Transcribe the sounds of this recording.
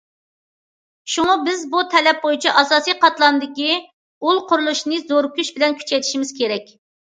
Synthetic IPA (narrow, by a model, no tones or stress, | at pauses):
ʃuŋɑbɪzbut̪ʰɛlɛp̚bojut͡ʃʰiʔɑsɑːsijqɑt̪lˠɑnɨd̪ɪkʲi | ulˠqʰʊɾulˠuʃnɨzoɾkʲyʃbɪlɛnkʲʰy̥t͡ʃʰɛjt̪ʰi̥ʃimɪz̥kʲʰeɾɛkʲ